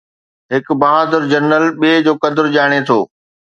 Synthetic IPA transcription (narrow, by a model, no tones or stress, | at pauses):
ɦɪkbaɦaːd̪əɾd͡ʑɐnəlɓeːd͡ʑoːkɐd̪əɾʄaːɽ̃et̪ʰoː